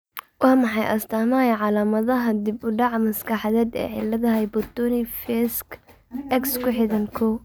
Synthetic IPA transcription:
wɑːmɑħɑjʔɐst̪ʰaːmaːjʕɑlaːmɐðɐɦɐd̪ɪbʊɖɑʕmɐskʰɑħɑðɛːd̪ɛ̰ːʕɪ̰lːɐðɐɦɛjbɔt̪ɔnifɛsk | ʔɛkskʰʊħɪðɐnkʰɔ

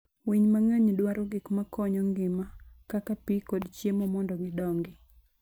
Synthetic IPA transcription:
wiɲmaŋaɲdwaɾɔɡɪkmakɔɲɔŋɡɪmakakapikɔdt͡ʃjemɔmɔndɔɡɪdɔŋɡɪ

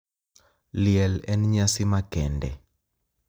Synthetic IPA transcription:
lɪɛlɛnɲasimakɛndɛ̰

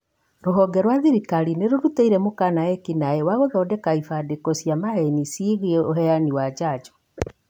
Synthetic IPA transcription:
ɾoɦɔɡɛɾwaðiɾikaɾineɾoɾuteiɾɛmokanaɛkinaewaɣoðɔɔdɛkaifadekɔsjamaenisiːɣiɛoɦɛaniwad͡ʒaːd͡ʒɔ̥

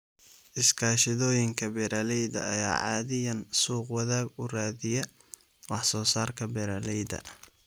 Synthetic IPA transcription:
ʔɪskʰaːʃɪðɔːjɪŋkʰɐbɛɾalɛjdɐ̰ɐja̰ːʕɑ̰ːðɪjɐnsuːqwɑðaːɡʊraːðɪjɐ | wɑħsɔːsaːrkʰɐbɛɾalɛjdɐ̰

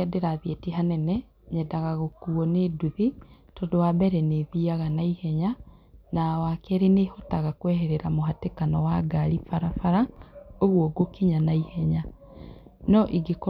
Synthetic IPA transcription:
ɛdeɾaðietiɦanɛnɛ | ɲɛdaɣaɣokuɔneduðitɔdowabɛɾɛneðiaɣanaihɛɲa | nawakɛɾenehotaɣakwɛɦɛɾeɾamoɦatekanɔwaɡaɾifaɾafaɾaoɣwɔɡokiɲanaihɛɲa | nɔʔiɡekɔ

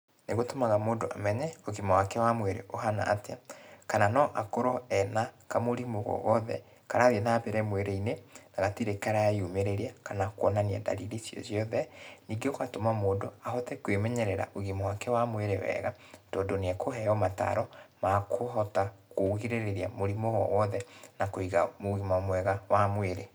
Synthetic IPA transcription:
neɣotomaɣamoːndoamɛɲɛoɣimawakɛwamweɾḛʔoɦana̰ʔːtekananɔʔakoɾɔɛnakamoɾimoɣɔ̰ɣɔðɛ̰ | kaɾaðenapeɾɛmweɾeinenaɣatiɾekaɾaaiumeɾeɾiakanakwɔnania̰da̰ɾiɾisiɔ̰ziɔðɛniɡekwatomamoːdoaɦɔtɛkwemɛɲɛɾɛɾa̰ʔoɣimowakɛwamweɾewɛ̰ːɣatɔːndoneakʰoɦɛɔmata̰ɾɔmakʰoɦɔtakoɣiɾeɾeɾiamoɾimoɣɔ̰wɔðɛnakoiɣamoɣimamwɛɣawamweɾe

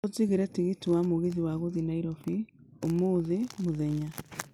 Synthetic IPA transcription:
oziɣeɾɛtiɣitiwamoɣeðiwaɣoðinaiɾɔfi | omoːðemoðɛɲa

